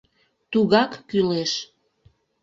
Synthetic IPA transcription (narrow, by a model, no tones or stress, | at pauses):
t̪uɣɑkːyleʃ